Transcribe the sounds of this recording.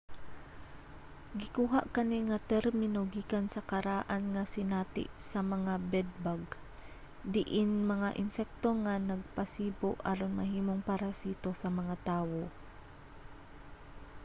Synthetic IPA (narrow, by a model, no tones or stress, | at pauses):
ɡɪkuːɦaʔkɐniŋɐt̪ɛɾmɪnoɡiːkansɐkɐɾaːʔanŋasɪnaːt̪ɪ̰ʔsɐmɐŋabɛd̪̚baɡ | d̪ɪʔɪnmɐŋaʔɪnsɛk̚t̪oŋanɐɡ̚pasiːboʔʔa̰ɾonmɐɦiːmoŋpaɾasiːt̪o̞sɐmɐŋat̪aːwo̞